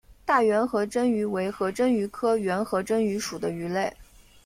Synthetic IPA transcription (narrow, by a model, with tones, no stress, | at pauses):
t̪a˥˩ɥɛ˧˥nxɤ˧˥ʈ͡ʂə˥ny˧˥we˧˥ɪxɤ˧˥ʈ͡ʂə˥ny˧˥kʰɤ˥ɥɛ˧˥nxɤ˧˥ʈ͡ʂə˥ŋy˧˥ʂu˨˩d̪ə˦y˧˥le˥˩ɪ